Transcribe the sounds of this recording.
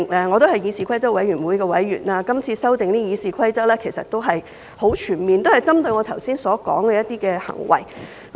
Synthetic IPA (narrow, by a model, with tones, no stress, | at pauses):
ɛ˧ŋɔː˨˧t̪o˥whɐ˨jiː˨˧siː˨kʰɐ˥jt͡sɐ˥k̚wɐ˨˥jɥyː˨˩nwuː˨˧jkɛː˧wɐ˨˥jːyː˨˩naː˧kɐ˥mt͡sʰiː˧sɐ˥wt̪ɪ˨ŋniː˥jiː˨˧siː˨kʰɐ˥jt͡sɐ˥lɛː˥kʰe˨˩jsɐ˨t̚t̪o˥wɦɐ˨j | ho˨˥wt͡ʃʰyː˨˩nmiː˨nt̪o˥whɐ˨jt͡sɐ˥mt̪ɵ˧jŋɔː˨˧t̪ʰɐ˨˩wsiː˥nsɔː˨˥kɔ̰ː˨˥ŋkɛː˧jɐ˥t̪̚iː˥kɛː˧hɐ̰˨˩ŋwɐ̰˨˩j